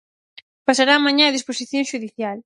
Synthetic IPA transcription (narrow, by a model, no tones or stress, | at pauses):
pasaɾaːmãɲãɐðisposiθjõŋʃuðiθjal